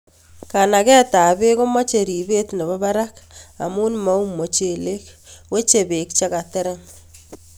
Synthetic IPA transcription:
ka˨na˨kɛ˦ta˨be˦ko˦mɔ˦t͡ʃe˨ɾi˨be˦tnɛ˨βɔ˦ba˦ɾa˦ka̰˨muː˦nma˦u˦mo˨t͡ʃe˨le˦k | we˦t͡ʃe˨be˨kt͡ʃa˦ka˨tɛ˦ɾa˦ŋ

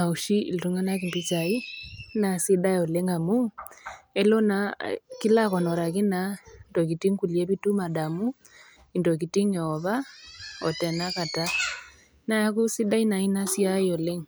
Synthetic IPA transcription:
na˨u˨ʃi˦ḭ˨ltu˦ŋa˦na˦ki˨mpi˦t͡sa˨i˦na˨si˦ɗa˦jɔ˨le˦ŋa˨mu˦ | ɛ˦lɔ˦na˨ki˦la˦kɔ˨nɔ˨ɾa˨k̬i˦na˨ndɔ˨ki˨ti˦ŋku˨liɛ˦βi˦tu˦ma˨ɗa˨mu˦ | i˨ndɔ˨k̬i˨ti˦ŋɛ˨ɔ˨βa˦ɔ̰˨tɛ˨na˦ka˨ta˦ | na˨ja˦ku˦si˦ɗa˦i˦na˨i˦na˦si˦a˦ɔ˨le˦ŋ

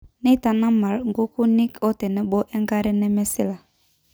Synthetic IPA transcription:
nɛ˦ta˨na˦ma˨ɾŋ˨ɡo˦ku˦ni˦kɔ˦tɛ˨nɛ˦ɓɔ˦ʔɛ˦ŋ˦ɡa˦ɾɛ˦nɛ˦mɛ˦sɪ˦la˨

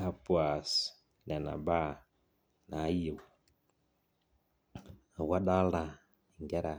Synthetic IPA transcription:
ha˨pwa˨s | nɛ˨na̰˨ba˦ | na˦iw | wa˦ɗa˦la˨ | iŋɡɛ˦ɾa˨

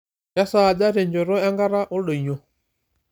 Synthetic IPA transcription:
ja˦saː˦˨d͡ʒa˦ɾɛ˨ɲd͡ʒɔ˨ɾɔ˦ja˦ŋɡa˦ɾa˦ʔɔ˦lɔ˨i˨ɲɔ˨

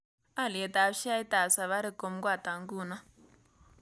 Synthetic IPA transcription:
a˦˨le˨t̪a˨ʃi˦a˦i˦t̪a˨sa˨βa˦ɾe˨ko˨mɡwa˦˨t̪a˨ŋɡu˦˨na˦

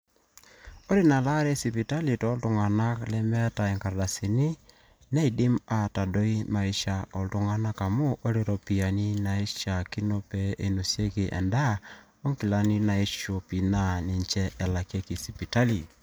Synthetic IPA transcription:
o˦ɾi˦na˨la˦ɾe˦si˨pi˨ta˦li˨to˨˦ltu˨ŋa˨na˦klɛ˦mɛ˦a˦ta˨e˨ŋka˨ɾda˨si˨ni˦ | na˦i˨di˦ma˨ta˨do˦i˦ma˨i˦ʃa˨o˨lto˨ŋa˦na˦ka˨mo˦ʔo˦ɾe˨ɾo˨pi˨a˨ni˦na˨e˦ʃa˨ki˦no˦pɛ˦e˨no˨sje˦ki˨ʔɛ̰˨nda˦ | o˦ŋki˨la˨ni˦na˨e˦ʃo˨pi˨na˦ne˨nt͡ʃɛ˦ʔɛ˨la˨ke˦ki˨si˨pi˨ta˦li˨

